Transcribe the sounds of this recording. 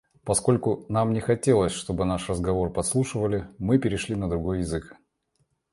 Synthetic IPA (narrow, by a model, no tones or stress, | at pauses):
pɐsko̞lʲkʊnamnʲɪxɐtʲe̞lˠəsʲʂt̪o̞bɨnaʂrəzɡɐvo̞rpɐslˠuʂɨvəlʲɪmɨpʲɪɾʲɪʂlʲinəd̪ɾʊɡo̞jːɪzɨk